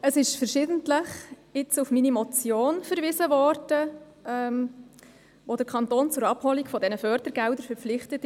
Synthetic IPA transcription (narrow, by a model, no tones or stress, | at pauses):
əsɪʃfəɾʃɪːdən̩tləχ | ɪt͡sufminimɔt͡sjoːnfəɾʋɪːzəvɔrd̥ə | ɛm | ʋod̥əɾkʰɑntoːnt͡sʊɾɑphɔlikfɔdɛnəfœɾdəɾɡ̥ɛldəɾfəɾpp͡flɪχtət